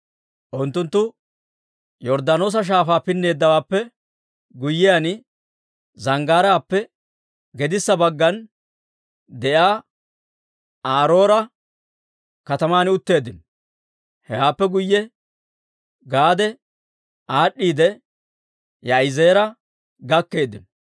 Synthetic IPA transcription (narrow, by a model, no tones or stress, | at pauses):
ʔʊnt̪ːʊnt̪ːʊ | jɔɾd̪anoːs̬ɐʃ̬aːfaːpɪnːe̞ːd̪ːɐwaːpːɛ | ɡʊjːɪjanɪ | zɐŋɡaːɾaːpːɛ | ɡɛd̪ɪsːɐbɐɡːɐn | d̪ɛʔaː | aːɾo̞ːɾɐ | kɐt̪ɐmaːnɪʊt̪ːe̞ːd̪ːɪn | hɛwaːpːɛɡʊjːɛ | ɡaːd̪ɛ | aːɗːiːd̪ɛ | jɐɪze̞ːɾɐ | ɡɐkːe̞ːd̪ːɪn